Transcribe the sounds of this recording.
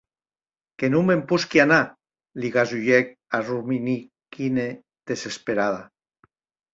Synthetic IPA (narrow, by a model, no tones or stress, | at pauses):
kenumempuskiana | liɣazuʎɛk̚ | arumini | kine | ðesespeɾaða